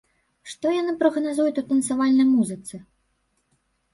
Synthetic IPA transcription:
ʂt̪ɔjanɨpɾɐɣnazujut͡sʲut̪ɐnt̪savalʲnɐjmuzɨt̪sɨ

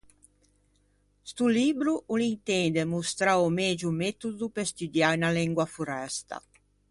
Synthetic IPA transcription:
st̪uliːbɾuʔulint̪ɛnd̪emust̪ɾaomeːd͡ʒumet̪ud̪upest̪ud̪janalɛŋɡwafuɾɛst̪a̰

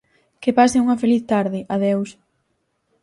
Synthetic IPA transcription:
kepasɪuŋɐfeliθt̪aɾðɪʔaðews

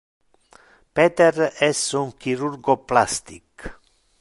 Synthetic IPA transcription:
pɛːt̪erɛsuŋkiɾurɡoplast̪ik

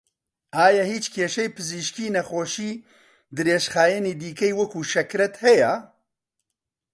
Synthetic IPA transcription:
aːjahiːt͡ʃkʰeːʃɛjpʰɨziːʃkiːnɛxoːʃiː | d̪ɨɾeːʃxaːjɛniːd̪iːkɛjwɐkʰuːʃɛkɾɛt̪hɛjɛ

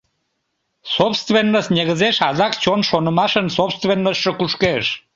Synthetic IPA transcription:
sopst̪venːəsneɣəzeʃɑzɑkt͡ɕonʃonəmɑʃənsopst̪venːəʃːəkuʃkeʃ

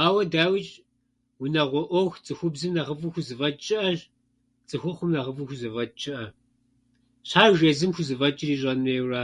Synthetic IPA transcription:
aːwɐdaːwit͡ʃʼ | wʊnɐʁʷɔʔʷɔxt͡sʼɨxʷʊbzɨmnɐʁəfʼuxʷʊzɨvɐt͡ʃʼɪʔɐʒ | t͡sʼɨxʷʊχʷʊmnɐʁɐfʼuxʷʊzɨvɐt͡ʃʼɪʔɐ | ɕħaːʒezɨmxʷʊzɨvɐt͡ʃʼɪriːɕ̬ʼɐnmeːwraː

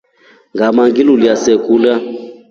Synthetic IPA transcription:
ŋɡʱamaŋɡiluljasɛkʼula

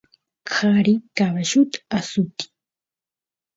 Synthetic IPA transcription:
kʰaɾikaβaʃʊt̪aasʊt̪i̥

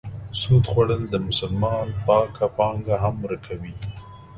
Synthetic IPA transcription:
sud̪xwaɽəld̪əmʊsʊlmɑnpɑkapɑŋɡaɦamɾakʰawi

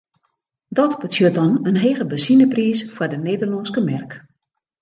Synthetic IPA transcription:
dɔtbət͡sjøtɔnənɦeːɣəbəsinəpriːsfwardəneːdərlɔnskəmɛrk

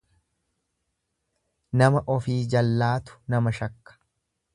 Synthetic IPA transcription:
nɐmɐʔɔfiːd͡ʒɐlːaːt̪ʊ̥nɐmɐʃɐkːɐ̥

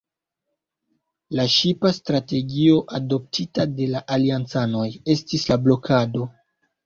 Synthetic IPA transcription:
laʃipastɾate̞ɡio̞ʔado̞p̚tʰitade̞laʔaliant͡sano̞je̞stislablo̞kʰado̞

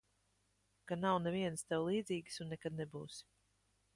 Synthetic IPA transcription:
kanawnɛviɛnst̪ɛwlˠiːd̪ziːɡsunːɛkad̪̚nɛbuːs

